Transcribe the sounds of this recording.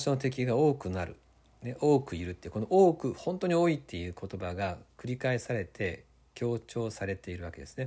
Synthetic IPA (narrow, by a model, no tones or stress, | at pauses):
ɕonot̪e̞kʲiɡao̞ːkɯ̟naɾɯ̟̰ | neʔo̞ːkɯ̟iɾɯ̟t̪ːeiɯko̞noʔoːkɯ̟hõ̞nt̪o̞ɲ̟io̞ːit̪ːe̞jɯ̟ːko̞t̪o̞baɡakɯ̟ɾʲikaesaɾe̞t̪ʰe̞ | kʲo̞ːt͡ɕo̞ːsaɾe̞t̪e̞iɾɯ̟βake̞d̪e̞sɨ̥ne̞